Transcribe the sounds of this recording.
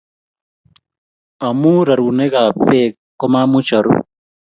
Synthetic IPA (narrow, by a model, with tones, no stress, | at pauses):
ɐ˨mũ˦ɾɐ˨ɾu˨ne˦ɣa˨pe˦ | kːo˦ma˦mu˦t͡ʃɐ˨ɾṵ